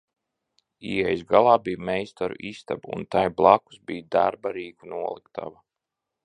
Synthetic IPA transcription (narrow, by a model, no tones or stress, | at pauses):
iːɛjzɡalˠɑːbijmɛjst̪aɾṵʔist̪abṵnt̪ajblˠaku̥sbijd̪a̰ɾbaɾiːkunuɔlˠikt̪ʰa̰va